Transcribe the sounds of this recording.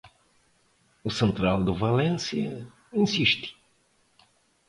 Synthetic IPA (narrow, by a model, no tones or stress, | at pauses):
ʊsẽnt̪ɾald̪ʊvalẽnsjɐ̰ | ĩsiʃt̪ɪ̥